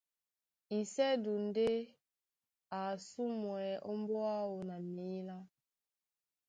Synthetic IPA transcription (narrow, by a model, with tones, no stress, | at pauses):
i˨sɛ˦du˨n˦de˦ | a˨su˦mwɛ˨ʔɔ˦m˦bɔ˦a˦wo˨na˨mi˨˦la˦